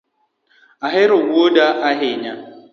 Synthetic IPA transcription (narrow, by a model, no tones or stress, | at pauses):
aɦɪɾʊɡʷuodaʔaɦɪɲa